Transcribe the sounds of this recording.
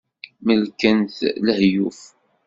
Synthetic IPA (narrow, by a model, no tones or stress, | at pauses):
məlkænθləhjuf